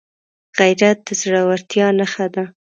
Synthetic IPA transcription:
ɣajɾat̪̚d̪̥əzɽawaɾt̪jɑnaxad̪a

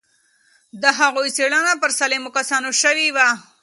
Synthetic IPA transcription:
d̪əɦaɣojseɽənapəɾsalemokasɑnoʃəwiwa

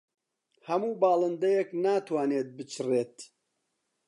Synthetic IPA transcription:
hɐmuːbaːlɐnd̪ɐjeknaːt̪waːneːt̪̚bɨt͡ʃʰɨreːt̪

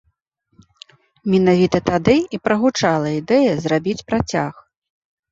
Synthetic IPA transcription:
mʲɛnavʲit̪ɐt̪ad̪ɨipɾɐɣut͡ʂalˠɐid̪ɛjɐzrabʲit͡sʲpɾat͡sʲax

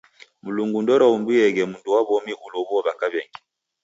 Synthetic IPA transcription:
muluŋɡundɔɾaumbijɛɡɛmunduwaβɔmiʔulɔβɔβakaβɛŋɡi

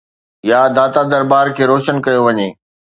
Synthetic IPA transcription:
jad̪aːt̪ad̪ɐɾbaːɾkʰeːɾoːʃənkɐjoʋɐɲeː

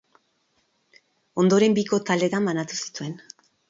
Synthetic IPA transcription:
o̞nd̪o̞ɾe̞mbiko̞t̪ald̪e̞ɾamanat̪usi̥t̪ue̞n

